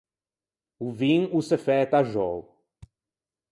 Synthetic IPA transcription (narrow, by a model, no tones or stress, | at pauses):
uvĩŋusefɛt̪aʒɔw